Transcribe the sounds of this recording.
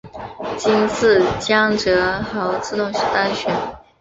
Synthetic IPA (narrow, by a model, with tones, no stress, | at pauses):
t͡ɕi˥nsɹ̩˥˩t͡ɕjɑ˥ŋʈ͡ʂɤ˧˥xɑ˧˥ʊt͡sʰɹ̩˥˧t̪ʊ˥˩ŋɕ̩˥˩t̪a˥nɕɥɛ˧˥˦n